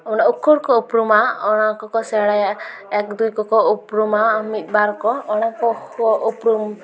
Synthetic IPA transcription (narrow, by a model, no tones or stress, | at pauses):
uñaukʰːɔɽkɔupɾumaɔɽ̃akɔkɔseɽajaɛkd̪ujkɔkɔupɾumamit̪̚ˀbaɾkɔːɽ̃akɔɔʔupɾum